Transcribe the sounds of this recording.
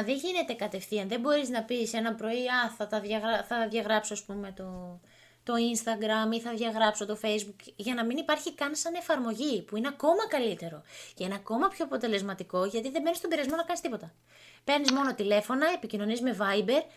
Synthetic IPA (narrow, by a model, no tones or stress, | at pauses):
ðe̞ʝine̞t̪e̞kɐt̪e̞fθiɐnðe̞bo̞ɾiznɐpise̞nɐpɾo̞iɐθɐtɐðʝɐɣɐθɐðʝɐɣɾɐpsoɐspume̞t̪o̞ | t̪o̞inst̪ɐɡɾɐmiθɐðʝɐɣɾɐpso̞t̪o̞fe̞jzbukʝɐnɐminipɐɾçikɐnsɐne̞fɐɾmo̞ʝipuineɐko̞mɐkɐlit̪e̞ɾo̞ce̞ineɐko̞mɐpço̞ɐpo̞t̪e̞le̞zmɐt̪iko̞ʝɐt̪iðe̞bnist̪obiɾɐzmo̞nɐkɐnist̪ipo̞t̪ɐ | pe̞ɾnizmo̞not̪ile̞fo̞nɐe̞picino̞nizme̞vɐjbe̞ɾ